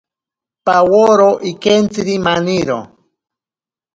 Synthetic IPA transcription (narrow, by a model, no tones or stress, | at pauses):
pawoɾoʔikent͡siɾimaniɾo̰